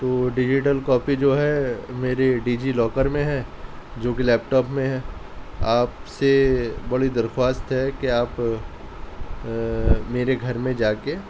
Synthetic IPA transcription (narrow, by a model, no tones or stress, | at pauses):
t̪oːɖɪd͡ʒɪʈ̬əlkɔːpid͡ʒoːɦɛmeːɾeɖiːd͡ʒilɔːkəɾmẽɦɛ̃d͡ʒoːkilɛːp̚ʈɔːpmẽɦɛ̃ː | aːpsebɐɽid̪ɐɾxwaːst̪ɦɛkeaːp | meːɾeɡʱɐɾmẽd͡ʒaːke